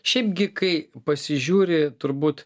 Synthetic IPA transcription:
ʃʲɛɪpɡʲɪkɐɪpɐsʲɪʒʲuːɾʲɪt̪ʊɾbuːt̪

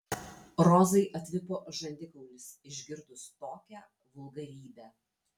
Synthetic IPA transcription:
ɾɔzɐɪʔɐt̪ʲʋʲɪpoːʒɐnʲd̪ʲɪkɐʊlʲɪsɪʒʲɡʲɪɾd̪ʊst̪oːkʲæ | ʋʊlˠɡɐɾʲiːbʲæː

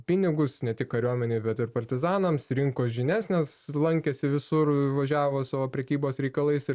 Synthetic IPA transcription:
pʲɪnʲɪɡʊsnʲɛt̪ʲɪkkɐɾʲuɔmʲɛnʲeɪbʲɛt̪ɪɾpɐɾʲt̪ʲɪzɑːnɐmsɾʲɪŋkoːs̬ʒʲɪnʲæːsʲnʲeːslˠɐŋʲkʲɛsʲɪʋʲɪsʊrʋɐʒʲæːʋoːsɑːʋoːpʲɾʲɛkʲiːboːsɾʲɛɪkɐlˠɐɪsɪ

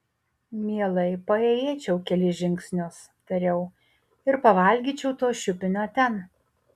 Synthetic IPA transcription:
mʲiɛlˠɐɪpɐeːjeːt͡ʃʲɛʊkʲɛlʲɪʒʲɪŋʲksʲnʲʊs | t̪ɐɾʲɛʊ | ɪɾpɐʋɐˑlʲɡʲiːt͡ʃʲɛʊt̪oːʃʲʊpʲɪnʲoːt̪ʲɛn

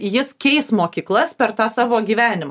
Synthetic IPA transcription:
jɪskʲɛɪsmoːkʲiːklˠɐspʲɛɾt̪ɑːsɑːʋoːɡʲiːʋʲæːnʲɪmɑ

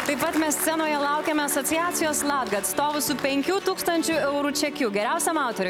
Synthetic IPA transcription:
t̪ɐɪpɐt̪mʲɛst̪sʲɛnoːjɛlˠɐʊkʲɛmʲɛɐsoːt̪sʲɪjæːt̪sʲɪjoːslˠɑːd̪ɡɐɐt̪st̪oːʋʊsʊpʲɛŋʲkʲuːt̪uːkst̪ɐnʲt͡ʃʲʊɛʊɾuːt͡ʃʲɛkʲuːɡʲɛɾʲæˑʊsʲɛmɑʊt̪oːɾʲʊ

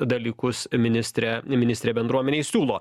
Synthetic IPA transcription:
d̪ɐlʲiːkʊsmʲɪnʲɪsʲt̪ʲɾʲɛmʲɪnʲɪst̪ʲɾʲeːbʲɛnd̪ɾuɔmʲɛnʲeːsʲuːlˠoː

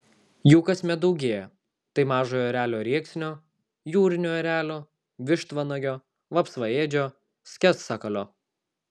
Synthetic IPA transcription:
juːkɐsʲmʲɛd̪ɐʊɡʲeːjɛ | t̪ɐɪmɑːʒoːjoːɾʲæːlʲoːɾʲiɛksʲnʲoː | juːɾʲɪnʲoːɔɾʲæːlʲoː | ʋʲɪʃt̪ʋɐnɐɡʲoː | ʋɐpsʋɐeːd͡ʒʲoː | sʲkʲɛssɑkɐlʲoː

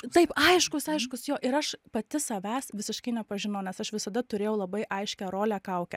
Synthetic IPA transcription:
t̪ɐɪpɐɪʃkʊsɐɪʃkʊsjoːʔɪɾɐʃpɐt̪ʲɪsɐʋʲæsʋʲɪsʲɪʃkɐɪnʲɛpɐʒʲɪnɐʊnʲɛsɐʃʋʲɪsɐd̪ɐt̪ʊɾʲeːjɛʊlˠɐbɐɪʔɐɪʃʲkʲæɾoːlʲækɐʊkʲɛ

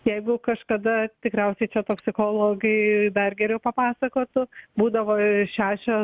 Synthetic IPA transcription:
jɛɪɡʊkɐʃkɐd̪ɐt̪ʲɪkɾʲɛʊsʲɛɪt͡ʃʲɛt̪oːksʲɪkoːlˠoːɡɐɪd̪ɐrɡʲɛɾʲɛʊpɐpɑːsɐkoːt̪ʊbuːd̪ɐʋoːʃʲæːʃʲoː

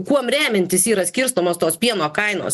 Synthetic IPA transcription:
kuɔmɾʲæːmʲɛnʲt̪ʲɪsiːɾɐsʲkʲɪɾst̪omoːst̪oːspʲiɛnoːkɐɪno̰ːs

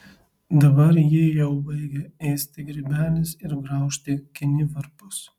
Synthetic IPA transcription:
d̪ɐbɐɾjɪjɛʊbɐɪɡʲɛɛːsʲt̪ʲɪɡɾʲibʲæːlʲɪsɪɾɡɾɐˑʊʃʲt̪ʲɪkʲɪnʲɪʋɐɾpʊs

